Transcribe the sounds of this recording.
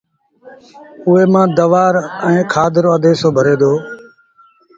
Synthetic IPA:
ʊeːmãːd̪əʋaːɾɛ̃ːkʰaːd̪əɾaːd̪eːsoːbʱəɾeːd̪oː

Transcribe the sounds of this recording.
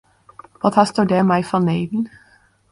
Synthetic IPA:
ʋɑːt̪ʰæːst̪oːɖeːmæɪfʁɑːneɪd̪n̩

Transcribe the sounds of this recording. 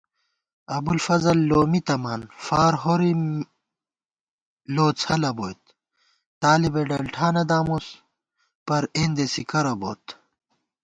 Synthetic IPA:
ɐbulfɐzɐlːoːmit̪ɐmaːnfaːɾɦoɾi | loːt͡sʰɐlɐboːjt̪̚ | t̪aːlibeɖɐlʈʰaːnɐd̪aːmos | pɐɾeːnd̪esikɐɾɐbo̰ːt̪

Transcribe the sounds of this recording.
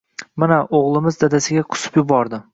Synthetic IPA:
manaʔoʁlˠɪmɪzd̪ad̪asɪɡʲaqʰʊ̥sʊ̥pjʊbɒɾd̪ɪ

